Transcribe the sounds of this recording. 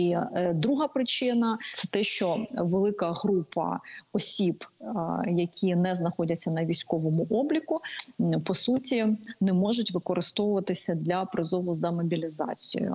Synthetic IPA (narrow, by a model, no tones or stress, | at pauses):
id̪ɾuɦɐpɾɪt͡ʃɪnɐt̪sɛt̪ɛʃt͡ʃɔʋelˠɪkɐɦɾupɐ̰ɔsʲib | jɐkʲʰinɛznɐxɔdʲɐt͡sʲːɐnɐʋʲijsʲkɔʋɔmʊʔɔblʲikʊpɔsutʲinɛmɔʒʊtʲʋɪkɔɾɪst̪ɔʋʊʋɐt̪ɪsʲɐd̪ʲlʲɐpɾɪzɔʋʊzɐmɔbʲilʲizɑ̰t͡sʲij̰jʊ̰